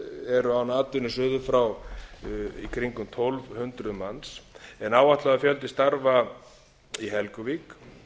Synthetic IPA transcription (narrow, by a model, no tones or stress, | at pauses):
ɛɾʏawnaːt̪ɪnːʏsʏːðʏfɾaw | ḭkʰɾiŋkʏmt̪ʰolvhʏnt̪ɾʏmansɛnaːwaht̪laɣafjœlt̪ɪst̪aɾva | iɦɛlkʏvik